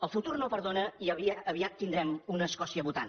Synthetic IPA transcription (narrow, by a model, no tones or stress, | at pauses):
əlˠfut̪uɾnopəɾðonəiəβiəβiat̪ːind̪ɾɛmunəːskɔsiəβut̪a̰n